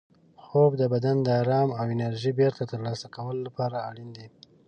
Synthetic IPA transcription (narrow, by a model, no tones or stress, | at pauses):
xobd̪əbad̪and̪əɑɾɑmawɪnaɾʒibeɾt̪at̪əɾlɑsakawəlolapɑɾaːɽind̪e